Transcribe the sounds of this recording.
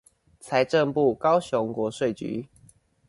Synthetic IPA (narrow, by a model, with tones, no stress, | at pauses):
t͡sʰa˧˦ɪʈ͡ʂə˥˧ŋpu˥˨kɑ˦ʊɕjɔ˧˦ŋkwɔ˨˧˦ʂwe˥˨ɪt͡ɕy̰˨˦